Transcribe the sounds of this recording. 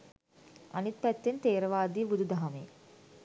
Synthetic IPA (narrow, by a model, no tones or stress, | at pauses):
a̰nit̪̚pæt̪ːent̪eːɾəʋaːd̪iːbud̪ud̪aɦamḛ